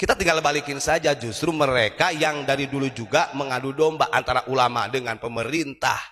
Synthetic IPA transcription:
kit̪at̪iŋɡalbalikɪnsad͡ʒad͡ʒust̪ɾuməɾekajaŋdaɾidulud͡ʒuɡaməŋadudɔmbaʔant̪aɾaʔulama̰dəŋanpəməɾint̪a̰h

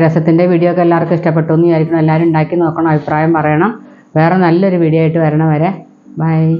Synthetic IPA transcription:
ɾɐsɐt̪ːinde̞ʋiːɽijoːkːɐlːaːrkɨiʂʈɐp̬ːe̞ʈːonːujaːɾikʲːɐɳɐmelːaːɾumuɳɖaːkʲːuno̞ːkːɐɳɐmɐbʱipraːjɐmpɐrɐjɐɳɐm | ʋe̞ːrenɐlːo̞ɾuʋiːɽijoaːjiʈːɨʋɐɾɐɳɐmʋɐɾe̞ | bɐj

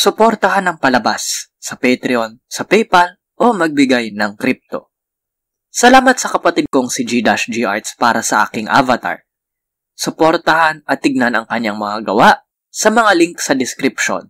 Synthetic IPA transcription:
sʊpo̞ɾt̪ɐɦanɐŋpɐlɐbasː | ɐpɛjt̪ɾɪonsɐpɛjpɐl | ʔo̞mɐɡ̚bɪɡajnɐŋkɾip̚t̪o̞̰ | sɐlaːmɐt̪̚sɐkɐpɐt̪ɪd̪̚koŋsɪd͡ʒid̪aʃd͡ʒiʔaɹt̪spaːɾɐsɐʔa̰ːkɪŋʔa̰vɐt̪a̰ɹ | sʊpoɾt̪ɐhanɐt̪ːɪɡ̚nanɐŋkɐɲːaŋmɐŋaɡɐwaʔ | sɐmɐŋaliŋksɐd̪ɪskɾɪpʃo̰n

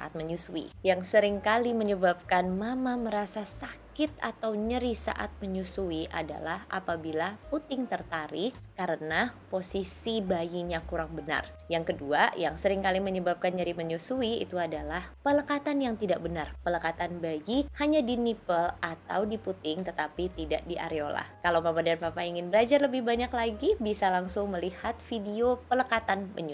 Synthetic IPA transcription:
aʔa̰t̪̚məɲusuḭjaŋsəɾɪŋkaliməɲəbap̚kanmamaməɾasasakɪt̪̚a̰t̪awɲəɾisa̰ʔa̰t̪̚məɲusuiʔa̰da̰lahʔa̰pabilahput̪ɪŋt̪ərt̪aɾɪ | kaɾənaposisibajiɲakuɾaŋbəna̰r | jaŋkəduajaŋsəɾɪŋkaliməɲəbap̚kand͡ʒaɾiməɲusuiḭt̪uadalahpələkat̪anjaŋt̪idaʔ̚bənarpələkat̪anbajihaɲadinipəlat̪a̰wdiput̪ɪŋt̪ət̪apit̪ida̰ʔdiʔa̰ɾeola̰kalawpapadanpapaiŋɪnbəlad͡ʒarləbɪhbaɲaklaɡibisalaŋsʊŋməlihat̪̚fidiopələkat̪anbə̰ɲu

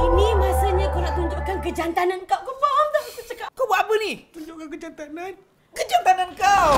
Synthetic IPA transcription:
inimasaɲakolaʔt̪uɲd͡ʒʊʔkankəd͡ʒant̪anankawkəfɔmd̪asət͡ʃəkakawbuaʔapənit̪uɲd͡ʒʊʔkakəd͡ʒant̪anan | kəd͡ʒant̪anankaw

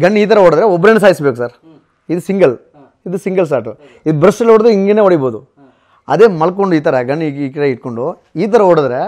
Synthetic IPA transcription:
ɡɐɳːiːt̪̬ɐɾɐoːɽd̪ɾeɔbːɐɾenɐs̬aːjisbeːkusɐɾ | id̪usiŋɡɐl | id̪usiŋɡɐls̬aːʈu | id̪ubɾɐsɐloːɽd̪eiŋɡeneːoɽiboːd̪u | ɐ̰d̪eːmɐlɐk̬oɳɖuiːt̪ɐɾɐɡɐɳːkɐɾeiʈ̚ko̞ɳɖu | iːt̪̬ɐɾɐoːɽd̪ɾe

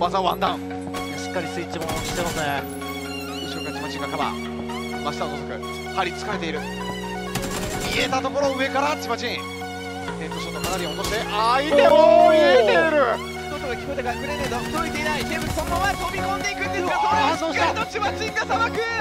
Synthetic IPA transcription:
βazaβã̰nd̪ã̰ŋ̃ | aɕɨ̥kːaɾʲisɨit͡ɕimonoɕi̥t̪emasne | ɯɕokɯat͡ɕimat͡ɕĩŋɡak̪aba̰ | maɕi̥t̪at̪osokɯ̟̰ | haɾʲit͡sɨ̥kaɾe̞t̪e̞iɾɯ̟ | iet̪at̪o̞ko̞ɾoɯ̟e̞kaɾat͡ɕimat͡ɕĩ | t̪ẽmpoɕot̪ːomanaɾʲiot̪oɕid̪eʔaid̪eoit̪eɾɯ̟ | t̪ot̪oɡakʲi̥kot̪ekaikɯɾened̪o̥koit̪e̞inaizẽmbɯ̥sonmõat̪oːbʲiɡ̪õnd̪eikɯ̃neoasõɕaot͡ɕimat͡ɕĩŋɡasanakɯ

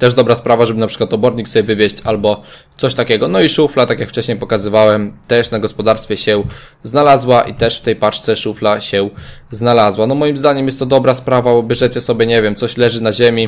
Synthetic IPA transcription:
t̪ɛʐd̪ɔbɾaspɾavaʐɛbɘnapʂɘ̥kwat̪ɔbɔɾɲiksɔbʲjɛvɘvʲjeɕt͡ɕalbɔt̪sɔɕt̪akʲɛɡɔnɔiʂuflat̪akjakft͡ʂɛɕɲejpɔkazɘvawɛmt̪ɛʂnaɡɔspɔd̪aɾst̪fʲɛɕɛ | znalazwaʔit̪ɛʂft̪ɛjpat͡ʂt̪sɛʂuflaɕɛ | znalazwanɔmɔjimzd̪aɲɛmjɛst̪ːɔd̪ɔbɾaspɾavabɔbʲjɛʐɛt͡ɕɛsɔbʲjɛɲevʲjɛmt̪sɔɕlɛʐɘnaʑemʲi

